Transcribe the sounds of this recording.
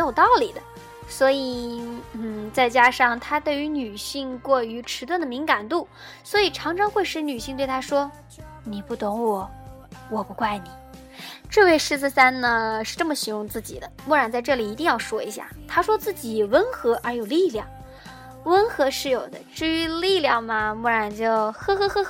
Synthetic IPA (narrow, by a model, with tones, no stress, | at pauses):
jo˨˩ʊt̪ɑ˥˩ʊli˨˩d̪ə˦ | swɔ˧˥i˨˩n̩˥˩t͡sa˥˩ɪt͡ɕja˥ʂɑ˥˩ŋt̪ʰa˥t̪we˥˩ɪy˧˥ny˨˩ɕi˥˧ŋkwɔ˥˩y˧˥ʈ͡ʂʰɻ̩˧˥wə˥˩nd̪ə˩mi˧˥ŋka˨˩nt̪u˥˩ | swɔ˧˥i˨˩ʈ͡ʂʰɑ˧˥ŋʈ͡ʂʰɑ˥ŋxwe˥˧ɪʂɻ̩˥˩ny˨˩ɕi˥˧ŋt̪we˥˩ɪt̪ʰa˥ʂwɔ˥ | ni˨˩pu˥˩t̪ʊ˧˥ŋwɔ˨˩ | wɔ˨˩pu˧˥kwa˥˩ɪni˨˩˦ʈ͡ʂɤ˥˧we˥˩ɪʂɻ̩˥˧t͡sɹ̩˥˩sa˥nnə˨ʂɻ̩˥˧ʈ͡ʂɤ˥˩mə˩ɕi˧˥jʊ˥˧ŋt͡sɹ̩˥˩t͡ɕḭ˨˩d̪ə˦mu˥˩ɻa˧˥nt͡sa˥˧ɪʈ͡ʂɤ˥˩li˨˩i˧˥i˥˧ŋjɑ˥˩ʊʂwɔ˥ḭ˧˥ɕja̰˥˩t̪ʰa˥ʂwɔ˥t͡sɹ̩˥˩t͡ɕi˨˩wə˥nxɤ˧˥ʔə˞˧˥jo˨˩ʊli˥˧ljɑ˥˩ŋ | wə˥nxɤ˧˥ʂɻ̩˥˩jo˨˩ʊd̪ə̰˦ʈ͡ʂɻ̩˥˩y˧˥li˥˧ljɑ˥˩ŋmɐ˩mu˥˩ɻa˧˥nt͡ɕjo˥˧ʊxɤ˥xɤ˥xɤ˥